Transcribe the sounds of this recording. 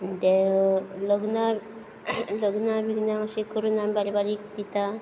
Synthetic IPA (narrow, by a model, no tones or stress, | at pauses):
d̪elɔɡna | lɔɡnabiɡnaŋsikʰːɔɾunambaɾibaɾik̚d̪it̪a